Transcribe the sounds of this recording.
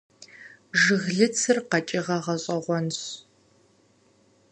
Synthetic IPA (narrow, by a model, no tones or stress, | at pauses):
ʒɨɣɮɨt͡sʰɨrqɐt͡ʃʼɪʁɐʁɐɕʼɐʁʷɔnɕ